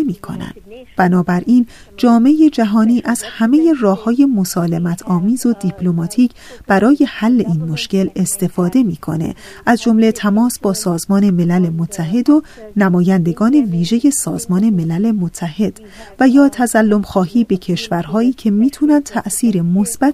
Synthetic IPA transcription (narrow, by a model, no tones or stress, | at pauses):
miːkʰo̰næ̰nd̪̥b̥ænɒːbæɾʔiːn | d͡ʒɒːmeje̞d͡ʒæɦɒːniːʔæz̥hæme̞je̞rɒːhɒːje̞mo̞sɒːle̞mæt̪ʰɒːmiːzo̞d̪ipʰlo̞mɒːt̪ʰiːcʰb̥æɾɒːje̞hælːe̞ʔiːnmo̞ʃce̞le̞st̪e̞fɒːd̪e̞miːkʰo̞̰nḛ | ʔæzd͡ʒo̞mle̞t̪ʰæmɒːsbɒːsɒːzmɒːne̞me̞lælemot̪ʰːæɦe̞d̪o̞ | næmɒːjænd̪e̞ɡɒːne̞viːʒe̞je̞sɒːzmɒːne̞me̞læle̞mot̪ʰːæhe̞d̪̥ | væjɒːt̪ʰæzælːo̞mxɒːɦiːbe̞cʰe̞ʃvæɾɦɒːiːcʰe̞miːt̪ʰunænd̪̚t̪ʰæʔsiːɾe̞mosb̥æt̪